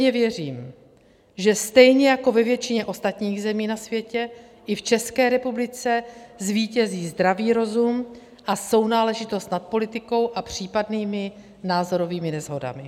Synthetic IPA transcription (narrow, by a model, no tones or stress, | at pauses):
ɲɛvjɛriːm | ʒɛst̪ɛjɲɛjako̞vɛvjɛt͡ʃɪɲɛʔo̞st̪at̪ɲiːɣzɛmiːnasvjɛcɛ | ʔɪft͡ʃɛskɛːɾɛpublɪt͡sɛzviːcɛziːzd̪ɾaviːɾo̞zum | ʔaso̞wnaːlɛʒɪt̪o̞st̪nat̪̚po̞lɪt̪ɪko̞wʔapr̝̥iːpadniːmɪ | naːzo̞ɾo̞viːmɪnɛzɦo̞da̰mɪ